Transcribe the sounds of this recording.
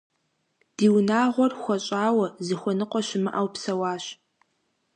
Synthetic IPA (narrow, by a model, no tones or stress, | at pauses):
d̥iːwnaːʁʷɔrxʷɔɕʼaːwɐzɨxʷɔnɨqʷʼɔɕɪmɨʔawpsɐwaːɕ